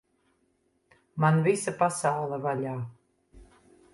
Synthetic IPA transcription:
manvisapasawlˠɛvaʎʲaː

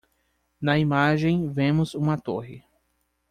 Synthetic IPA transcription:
nɐimaʒẽj̃vẽmʊzũmɐt̪o̰ɦɪ̰

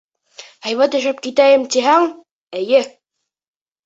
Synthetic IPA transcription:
hæjβæt̪ɘ̆ʃɘp̚kit̪æjɘmt̪iɦæŋ | ɘ̆jɘ

